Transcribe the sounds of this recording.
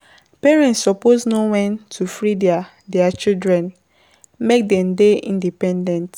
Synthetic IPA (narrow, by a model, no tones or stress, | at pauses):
pɛɹɛ̃ntsɔpoznowɛ̃ntʰufɹidɛa | dɛat͡ʃildɹɛ̃n | mek̚dɛ̃mdeʔḭ̃ndipɛ̃ndɛ̃nt